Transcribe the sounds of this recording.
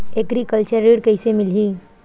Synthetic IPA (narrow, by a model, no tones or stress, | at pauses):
ekɾikəlt͡ʃəɾːiːɽkɐɪsemɪlɦi